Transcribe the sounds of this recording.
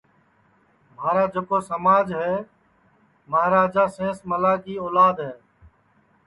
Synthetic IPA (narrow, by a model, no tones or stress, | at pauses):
maːɾaːd͡ʒeːkoːsəmaːd͡ʒɦɛː | maɦɾaːd͡ʒaːsẽːsməlaːɡiːoːlaːd̪ɦɛː